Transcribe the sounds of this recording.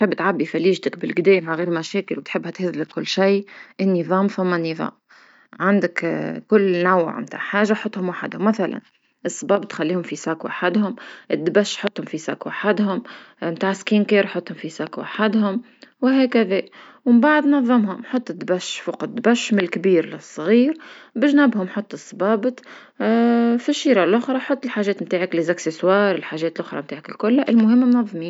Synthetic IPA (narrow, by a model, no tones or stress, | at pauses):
t̪ħɪbːt̪ʕabːifaliːʒt̪ɪkbɪlɡd̪ɛːmaʕaɣiːɾmæʃɛːkɪlwt̪ħɪbːhæt̪hɪzlɪkːʊlːʃajʔɪnːiðˤɑːmfamːanːiðˤɑ̰ːm | ʕand̪ɪkkʊlːnaw̰ːʕmt̪a̰ːʕħaːʒaħot̪ˤːhʊmwaħad̪hʊmːaθala̰n | ʔɨsˤːɑbɑːbt̪xalːiːhʊmfisakwʔaħad̪hʊmʔɪd̪ːbæʃːħot̪ːhʊmfisa̰ːkwaaħad̪hʊm | mt̪aːʕɪskiːnkeːɾħot̪ˤːhʊmfisaːkwʔaħad̪hʊm | wɪɦɛːkæðɛː | wɪmbaʕd̪nɑðˤːɑmɦʊmħot̪ˤːɪd̪ːbæʃfʊqɑd̪ːbæʃmɪlkbiːɾlɪsˤːɣiːɾbɪʒnæbhʊmħot̪ˤːɨsˤːbɑːbt̪ˤ | fiʃːiːɾˤɑʔlʔʊxɾˤɑħot̪ˤːɪlħaːʒɛːt̪mt̪aːʕaklɪzakseswɑːɾˤɪlħaːʒɛːt̪ɪlʔʊxɾˤɑ̰mt̪aːʕɪkɪlkʊlːʔɪlmʊɦɪmːmnɑðˤːmiːm